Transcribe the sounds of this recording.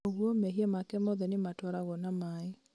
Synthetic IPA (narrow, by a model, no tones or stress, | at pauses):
oɣwɔmɛɦiɛmakɛmɔðɛnematwɔɾaɣɔnamae